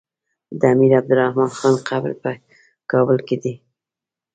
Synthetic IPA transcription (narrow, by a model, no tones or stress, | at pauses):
d̪əamiɾab̚d̪ʊɾahmɑnxɑnqabɾpə | kɑbəlked̪i